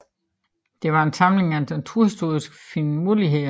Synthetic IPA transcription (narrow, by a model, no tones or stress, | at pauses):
d̥e̝ʋɑ̈e̝nsɑ̈mle̝ŋænd̥ent͡sʰuɐhisd̥o̝̰ːisɡ̥finmuliɦe̝